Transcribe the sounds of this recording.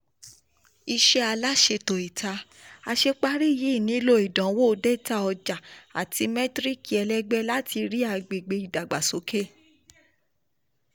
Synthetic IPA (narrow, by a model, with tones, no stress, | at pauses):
i˧ʃe˦a˧la˦ʃe˧to˨i˨tʰa˧ | a˧ʃe˧k͡pa˦ɾi˦˨ji˨˦˨nĩ˨˦lo˦i˨dã˨˦wo˦˧dɛ˦ta˦ɔ˧d͡ʒa˨a˨ti˧˦mɛ˦tɾi˦ki˨ɛ˧lɛ˦ɡ͡bɛ˦la˦ti˧ɾi˦a˧˨ɡ͡be˨ɡ͡be˨˧i˨da˨ɡ͡ba˨so˨˦ke˦